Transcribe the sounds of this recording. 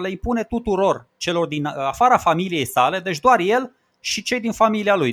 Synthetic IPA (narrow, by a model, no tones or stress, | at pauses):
le̞impune̞t̪ut̪uɾo̞rt͡ʃe̞lo̞rd̪inafaɾafamilije̞jsale̞d̪e̞t͡ʃʲd̪oarje̞l | ʃit͡ʃe̞jd̪infamilialuj